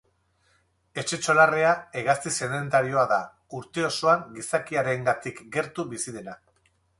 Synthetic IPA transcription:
e̞t͡ʃe̞t͡ʃo̞lareaeɣast̪ise̞nd̪e̞nt̪aɾio̞aða | uɾt̪e̞o̞soaŋɡisakiaɾe̞ŋɡat̪ikɡe̞ɾt̪uβisiðe̞na

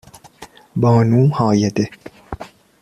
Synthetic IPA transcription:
bɔːnuːhɑːjed̪e

